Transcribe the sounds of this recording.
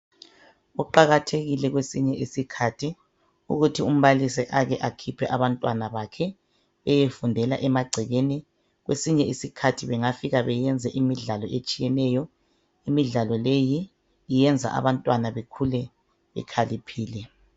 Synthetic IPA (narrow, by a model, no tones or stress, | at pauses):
uǃaɣatʰeɣilɛɣwesiɲɛʔisikʰatʰi | ṵɣutʰium̩βalisɛʔaɣɛʔakʰipʰɛʔaβantʼwanaβakʰɛː | jefundʱɛlaʔɛmaɡ͡ǀʱɛɣeni | ɣwesiɲɛisikʰatʰiβɛŋafiɣaβɛjɛnd͡zʱɛʔimiɮalɔʔet͡ʃʼijɛnɛjɔ | imiɮalɔlejiː | jɛnd͡zʱa̰ʔa̰βantʼwanaβekʰulɛ | βɛ̰kʰalipʰiːlɛ